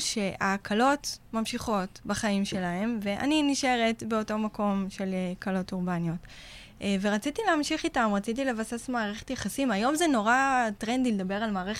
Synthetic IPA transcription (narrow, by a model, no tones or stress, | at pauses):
ʃe̞ʔakʰalo̞tmamʃiχo̞tbaχaimʃe̞lae̞mve̞ʔa̰niniʃe̞ʁetbe̞o̞to̞mako̞mʃe̞lkalo̞tuʁbanjo̞t | veʁat͡sitileamʃiχitamʁat͡sit̬ile̞vasesmaːʁeχe̥tjaχasimajo̞mzeno̞ʁatʁend̪iled̪abe̞ʁalmaːʁeχ